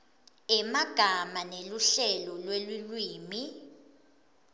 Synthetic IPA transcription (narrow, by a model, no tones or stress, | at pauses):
ɛmaɡ̥ʱamaneluɬɛlɔlwelulwiːmi